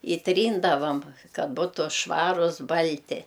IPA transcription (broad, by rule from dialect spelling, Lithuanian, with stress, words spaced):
ɪ ˈtʲrʲiːndɐʋɐm ˈkɐt ˈbʊtʊ ˈʃʋɑːrʊs ˈbɐlʲtʲɪ